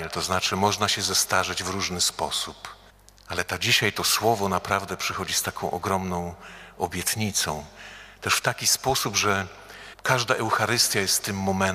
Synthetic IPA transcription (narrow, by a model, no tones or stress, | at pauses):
ɛlt̪ɔznat͡ʂɘmɔʐnaɕɛzɛst̪aʐɘd͡ʑvɾuʐnɘspɔsup | alɛt̪ad͡ʑiɕajt̪ɔswɔvɔnapɾavd̪ɛpʂɛxɔd͡ʑist̪akʰɔ̃w̃ʔɔ̰ɡɾɔmnɔ̃w̃ɔbʲjɛt̪ɲit̪sɔ̃w̃t̪ɛʂft̪akʲispɔsubʐɛ | kaʐd̪aʔɛwxaɾɘst̪ʲjajɛst̪ːɘmːɔmɛn